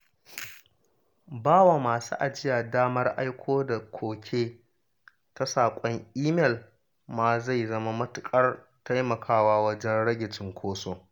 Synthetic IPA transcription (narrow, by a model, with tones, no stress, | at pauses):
baː˦wa˨maː˨sṵ˦ʔa˨d͡ʒɪ˦ja˨daː˦mɐ˦rʔa˦jkʷʰoː˦da˨kʷʰoː˨kʲʰeː˦ | ta˦saː˨kʷʼɔ˦ŋʔiː˦mɛ˨l | maː˨za˦˨jzɐ˦ma˦mɐ˦tʊ˨kʼɐ˦r | tʰa˦jmɐ˨kʰaː˦waː˦wɐ˦d͡ʒɛ˦nɽɐ˦ɡʲɪ˨t͡ʃɪ˨ŋkʷʰoː˦soː˦